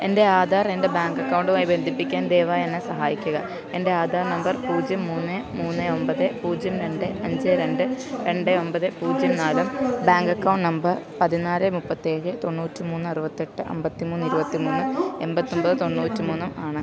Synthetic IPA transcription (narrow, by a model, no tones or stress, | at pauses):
e̞nde̞aːd̪ʱaːre̞nde̞baːŋkɐkːɐwɳɖumaːjibe̞nd̪ʱipːikʲːaːnd̪eːʋaenːesɐɦaːjikʲːuɣɐ | e̞nde̞aːd̪ʱaːrnɐmbɐrpuːd͡ʑjɐmːuːnːɨmuːnːɨo̞mbɐðɨpuːd͡ʑjɐmɾe̞ɳɖɨɐɲd͡ʑɨɾe̞ɳɖɨɾe̞ɳɖɨo̞mbɐðɨpuːd͡ʑjɐmnaːlumbaːŋɡɐkːɐwɳʈnɐmbɐrpɐðinaːɾɨmupːɐt̪ːie̞ːɻɨt̪o̞nːuːtːimuːnːɨɐrubɐt̪ːeʈːɨʔɐ̰mbɐt̪ːimuːnːɨiɾubɐt̪ːimuːnːɨe̞mbɐt̪ːombɐðɨt̪o̞nːuːtːimuːnːumaːɳɨ